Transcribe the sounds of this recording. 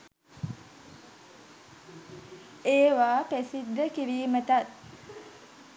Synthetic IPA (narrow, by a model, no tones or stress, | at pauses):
eːʋaːpesid̪ːəkiɾiːmət̪at̪̚